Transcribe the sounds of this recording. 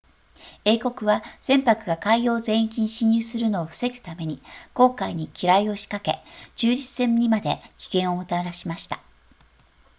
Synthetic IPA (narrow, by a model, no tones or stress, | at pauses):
e̞ːko̞kɯ̟βaz̥ẽ̞mpakɯ̟ɡakaijo̞ːzẽ̞ɰ̃ikʲĩɲɕiɲ̟ɨːsɨɾɯ̟no̞ːɸɯ̟̥se̞ɡɯ̟̥t̪ame̞ɲ̟iko̞ːkaiɲ̟ikʲiɾaio̞ɕi̥kake̞d͡ʑɨːd͡ʑisẽ̞ɲɲːimad̪e̞kʲi̥ɡẽ̞ɰ̃o̞mɯ̟t̪aɾaɕimaɕi̥t̪ḁ